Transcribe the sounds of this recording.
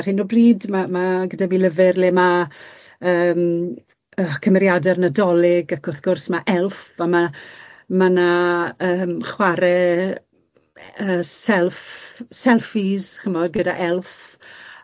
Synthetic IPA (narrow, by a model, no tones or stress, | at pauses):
r̥hɪnubriːdmamaɡədabiːləvɪrlɛma | əːm | əkʰəmɛɾjadɛrnədɔlˠɪɡakʰʊrθɡ̥ʊrsmaʔɛlˠθama | manaəːmχwaɾɛ | əːsɛlˠfsɛlˠfiz̥χəmɔdɡəda̰ʔɛlˠθ